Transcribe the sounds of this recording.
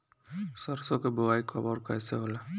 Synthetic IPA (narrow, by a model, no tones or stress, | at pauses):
sɔɾsɔkeboajkʰɔbɔɾkajseɦola